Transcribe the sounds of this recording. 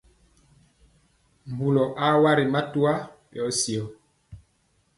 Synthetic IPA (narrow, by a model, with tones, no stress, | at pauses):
mbu˨lɔ˨ʔa˦wa˦ɾi˨ma˦tu˦a˦ | jɔ˨˦si˨ɔ˨